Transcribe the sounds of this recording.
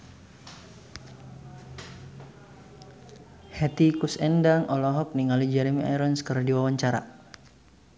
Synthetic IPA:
hɛt̪ikusɛndaŋʔɔlɔɦɔk̚niŋalid͡ʒɛɾimia̰ɾənskərdiwawaɲt͡ʃaɾa̰

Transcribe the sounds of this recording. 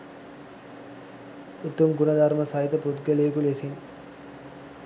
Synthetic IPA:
ut̪ːumɡunəd̪aɾməsɐit̪əput̪ɡəleːkulesen

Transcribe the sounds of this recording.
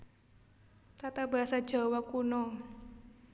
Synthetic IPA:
t̪at̪aba̤asad̥ʒ̥a̤wakunɔ

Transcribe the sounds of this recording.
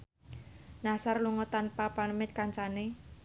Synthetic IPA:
nasarluŋɔt̪anpapanəmɪt̪̚kaɲt͡ʃane

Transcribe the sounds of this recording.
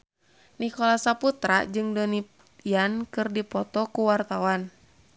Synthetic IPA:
nikɔlasaput̪ɾa̰d͡ʒɨŋdɔni | jankɨrdipɔt̪ɔkuwart̪awan

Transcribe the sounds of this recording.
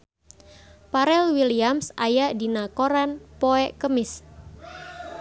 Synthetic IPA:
paɾɛlwiliamsajaʔdinakoɾanpoɛʔkəmɪs

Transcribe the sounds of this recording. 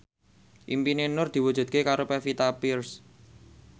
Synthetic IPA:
ʔimpinenʊrd̪̥i̤wud̥ʒ̥ṳd̪̚kekaɾopɛfit̪apirs

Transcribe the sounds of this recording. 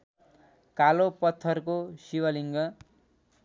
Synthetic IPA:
kalopʌt̪ʰːʌrkosiwʌliŋɡʌ

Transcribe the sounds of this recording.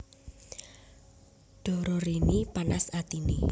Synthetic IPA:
ɖ̥ɔ̤ɾɔɾenipanasat̪inḭ

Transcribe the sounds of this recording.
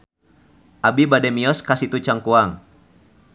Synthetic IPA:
ʔabibadɛmiɔskasit̪ut͡ʃaŋkuaŋ

